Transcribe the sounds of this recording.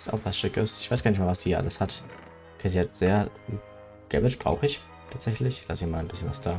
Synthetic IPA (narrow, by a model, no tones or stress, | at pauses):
sta̰ʊxv̥asʃɪkəsɪçvaɪsɡ̥aːnɪçtmaːvasd̥iːiːɐʔa̰ləshat | kʰɛziatz̥eːɐ | ɡ̥ɛ̰vɛt͡ʃb̥ʁa̰ʊxəɪç | tʰaːtz̥ɛçlɪçlasiːmaːlnbɪsçənvasd̥aː